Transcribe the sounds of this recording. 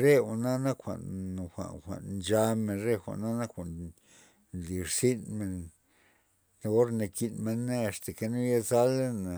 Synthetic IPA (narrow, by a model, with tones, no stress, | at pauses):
ɾe˦xa˨na˦na˦kxʷa̰˨n˨xʷa̰˨xʷa̰˨nnd͡ʒa˧me˧˨nɾe˦xʷa̰˨ʔna˦na˦kxʷa˨n | li˨ɾsi˦nme˨n | ne˧o˦ɾne˧ki˧nme˧ne˦a˨st̪a˨ke˧nu˦ja˦za˦le˦na˨